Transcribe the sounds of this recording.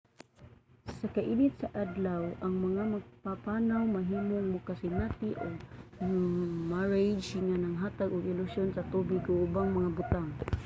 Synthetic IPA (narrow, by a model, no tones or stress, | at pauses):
sakaʔibɪt̪̚saʔad̪lawʔaŋmaŋamaɡ̚papanawmaɦiːmoŋmʊkasɪnat̪iʔoɡ | maɹed͡ʒŋanaŋɦat̪aɡʊɡɪlʊsjonsat̪ubɪɡʊʔʊbaŋmaŋabʊt̪aŋ